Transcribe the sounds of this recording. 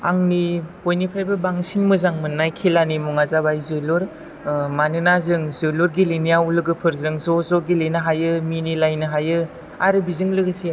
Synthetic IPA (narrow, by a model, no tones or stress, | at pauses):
a̰ŋnibojnipʰajbɯbaŋsiŋmɯzaŋmɯnːajkʰelanimɔŋazabajzɯlɔɾ | manɯnazɯŋzɯluɾɡilinijaulɯɡɯpʰɯɾzɯŋzɔzɔɡilenɯɦajɯminilajnɯɦajɯ | aɾɯbizɯŋlɯɡɯsia